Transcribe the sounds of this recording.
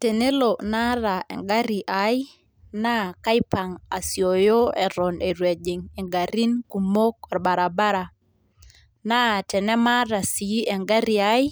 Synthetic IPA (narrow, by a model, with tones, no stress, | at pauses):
te˨ne˦lo˨na˦ɾa˨ʔɛ̰˨ŋɡa˦ɾi˨ʔa˨j | na˦ka˦jpa˨ŋa˨sjo˨jo˦ɛ˨ɾɔ˨ne˨ɾwe˨d͡ʒi˨ŋe˨ŋɡa˨ɾi˦nku˨mo˦k̚ɔ˨ɾba˨ɾa˨ba˦ɾa˨ | na˦tɛ˨nɛ˦ma˦ɾa˨si˨i˦ʔɛ˨ŋɡa˦ɾi˨a˦j